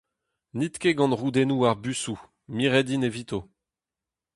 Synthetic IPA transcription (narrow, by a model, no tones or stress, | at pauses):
nit̪keɡɑ̃nʁud̪enuaʁbysu | miʁɛd̪inevit̪o